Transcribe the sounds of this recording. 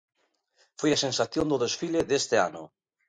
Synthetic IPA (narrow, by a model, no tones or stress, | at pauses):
fojasensaθjond̪oðesfileðest̪ea̰nʊ̰